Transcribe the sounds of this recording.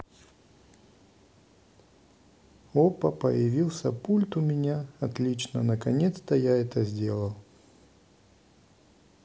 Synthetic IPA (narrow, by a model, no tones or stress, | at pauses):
opəpə̰jɪvʲilˠsʲəpulʲt̪ʊmʲɪnʲaɐt̪lʲit͡ɕnə̰nəkɐnʲe̞t̪st̪əjaɛt̪əzʲdʲelˠəlˠ